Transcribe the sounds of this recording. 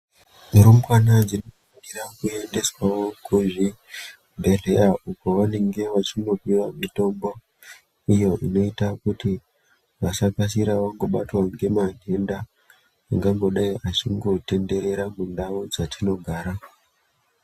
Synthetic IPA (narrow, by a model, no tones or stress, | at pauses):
muɾumkwanad͡zino | akiɾakue̞nde̞swawokuʐi | bʱere̞aʔuko̞ʋane̞ŋɡe̞ʋat͡ʃino̞piʋamito̞mbo | ijo̞ʔino̞itakuti | ʋasakas̬iɾaʋaŋɡo̞ɓatwaŋɡe̞maɦe̞ndaː | ŋɡaŋɡo̞ɗaiʔat͡ʃiŋɡo̞te̞nde̞ɾe̞ɾamundaʋod͡zatʰino̞ɡʱaːɾa